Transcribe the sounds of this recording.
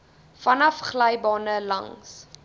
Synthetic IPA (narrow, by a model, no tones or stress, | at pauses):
fɐnɐfχlɛjbɑːnəlɐ̰ŋs